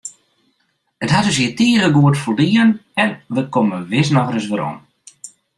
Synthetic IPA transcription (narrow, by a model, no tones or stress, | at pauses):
ətɦadøs̬jətiːrəɡuətfoldiːənɛnʋəkoməʋɪsnɔxrəsʋəɾo̰m